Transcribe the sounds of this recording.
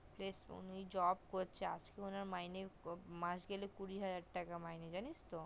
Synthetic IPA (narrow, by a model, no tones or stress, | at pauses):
plesṵnid͡ʑɔbkoɾt͡ɕʰea̰d͡ʑkeonaɾmajnemãʃɡelekuɾiɦad͡ʑaɾʈakamajned͡ʑanist̪o